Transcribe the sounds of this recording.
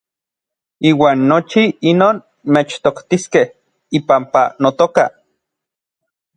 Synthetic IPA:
iːwaːnːot͡ʃiinoːn | met͡ʃt̪okt̪iskeh | ipampa̰not̪oka̰

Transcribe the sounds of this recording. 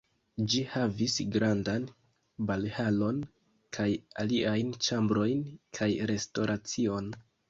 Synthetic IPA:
d͡ʒihavisɡɾandan | balhalo̞n | kʰaja̰liajnt͡ʃambɾo̞jnkʰajɾe̞sto̞ɾʔat͡sio̞n

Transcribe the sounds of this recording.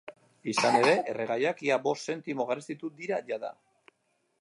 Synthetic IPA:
isane̞ɾe̞ʔereɣajakiabo̞st̪se̞nt̪imo̞ɣarest̪it̪ud̪iɾaʝaða̰

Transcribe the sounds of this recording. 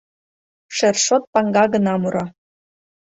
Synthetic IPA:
ʃerʃot̪̚pɑŋɡɑɡə̆nɑmuɾɑ

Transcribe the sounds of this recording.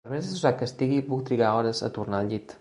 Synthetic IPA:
əɾmezəsuzakəst̪iɣipuk̚t̪ɾiɣaɔɾəzə̰t̪uɾnaʎit̪

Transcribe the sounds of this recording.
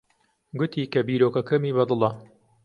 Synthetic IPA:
ɡʊt̪iːkɐbiːɾoːkɐkɐmiːβɐd̪ɨlˠɐ

